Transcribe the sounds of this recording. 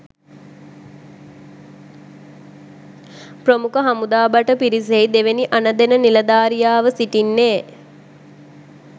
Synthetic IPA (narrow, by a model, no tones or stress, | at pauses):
prəmukəɦamud̪aːbaʈəpiɾis̬ejd̪eʋeniʔanəd̪enənilɐd̪aːɾijaːʋəsiʈinːeː